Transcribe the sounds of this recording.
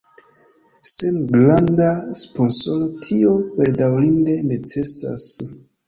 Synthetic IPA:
senɡlandaspo̞nso̞lo̞tʰio̞be̞ɾdawlinde̞ne̞t͡se̞sa̰s

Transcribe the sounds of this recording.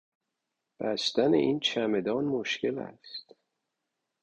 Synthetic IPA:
b̥æst̪æne̞̰ʔiːnt͡ʃʰæme̞d̪ɒːnmoʃce̞læ̰st̪

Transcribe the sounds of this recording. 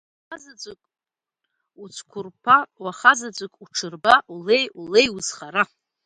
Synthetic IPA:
χazad͡zʷʼɨkʼ | ut͡sʷʰkʷʰʊrpʰawaχazad͡zʷɨkʼuʈ͡ʂʰɨrbaule̞julejuz̥χaɾa

